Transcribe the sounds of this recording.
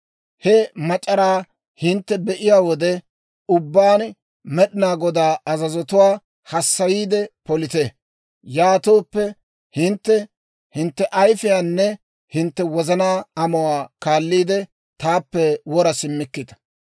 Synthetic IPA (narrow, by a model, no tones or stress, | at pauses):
hɛmɐt͡ʃʼːɐɾaː | hɪnt̪ːɛbɛʔɪjaːwɔd̪ɛ | ʊbːaːn | mɛɗɪnaːɡɔd̪aːɐzɐzɔt̪ʊwaː | hɐsːɐjiːd̪ɛpɔlɪt̪e | jaːt̪oːpːɛ | hɪnt̪ːɛ | hɪnt̪ːɛʔɐjfɪjaːnːɛ | hɪnt̪ːɛwɔzɐnaːɐmɔwaːkaːlːiːd̪ɛ | t̪aːpːɛwɔɾɐsɪmːɪkːɪd̪ɐ̥